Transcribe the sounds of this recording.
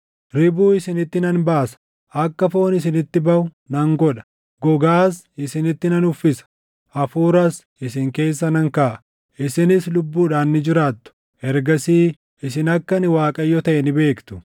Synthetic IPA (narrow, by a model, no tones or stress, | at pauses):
ɾɪbuːɪsɪnɪt̪ːɪnɐnbaːsɐ̥ | ʔɐkːɐfo̞ːnɪsɪnɪt̪ːɪbɐʔʊ | nɐŋɡɔᶑɐ̥ | ɡɔɡaːs | ɪsɪnɪt̪ːɪnɐnʊfːɪsɐ̥ | ʔɐfuːɾɐs | ɪsɪŋke̞ːsːɐnɐŋkaːʔ | ʔɪsɪnɪslʊbːuːᶑaːnːɪd͡ʒɪɾaːt̪ːʊ̥ | ɛɾɡɐsiː | ɪsɪnɐkːɐnɪwaːkʼɐjːɔt̪ɐʔɛnɪbe̞ːkt̪ʊ̥